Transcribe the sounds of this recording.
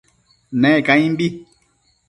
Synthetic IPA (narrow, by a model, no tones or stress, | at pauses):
nɛkãĩmbi